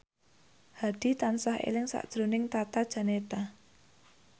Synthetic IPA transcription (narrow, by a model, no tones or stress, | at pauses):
had̪̥i̤t̪ansaɦḛlɪŋsa̰ʔd̥ʒ̥ɾonɪŋt̪at̪ad̥ʒ̥a̤net̪a